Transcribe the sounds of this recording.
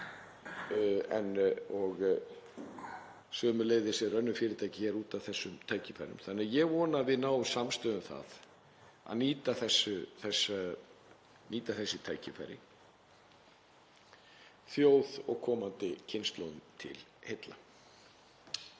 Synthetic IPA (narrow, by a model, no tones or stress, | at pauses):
ɛnɔɣ | sœːmʏlejðɪsɛɾœnːʏfɪːɾɪt̪ʰajcɪçɛɾuːt̪avθɛsːʏmt̪ʰaːjcɪfa̰jɾʏ̰mθanːɪaðjɛɣvɔːnavɪðnaːwsamst̪œːðʏmθa̰ð | a̰ðniːt̪aθɛsːʏθɛsːa | niːt̪aθɛsːɪt̪ʰaːjcɪfa̰jɾɪ̰ | θjoːwðɔɣkʰɔːmant̪ɪcʰɪnst̪lowðʏmt̪ʰɪ̰lhejt̪la